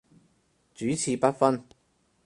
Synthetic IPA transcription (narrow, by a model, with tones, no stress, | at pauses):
t͡ʃyː˨˥t͡sʰiː˨˧pɐ˥t̚fɐ˥n